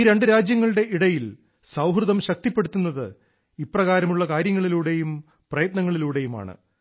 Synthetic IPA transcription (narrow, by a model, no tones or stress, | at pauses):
ɾe̞ɳɖɨɾaːd͡ʑjɐŋːɐɭɨɽe̞ʔiɽɐjil | sɐwɦrɨðɐmɕɐk̚t̪ipːe̞ɽut̪ːunːɐðɨ | ipːrɐɣaːɾɐmuɭːɐkaːɾjɐŋːɐɭiluːɽe̞jum | prɐjɐt̪nɐŋːɐɭiluːɽe̞juma̰ːɳɨ̰